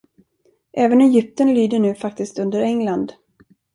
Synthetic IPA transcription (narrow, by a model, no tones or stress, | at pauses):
ʔɛːvənɛjʏp̚t̪ənlyːd̪əɳʉ̟ːfak̚t̪ɪskt̪ɵnd̪əɾɛŋland̪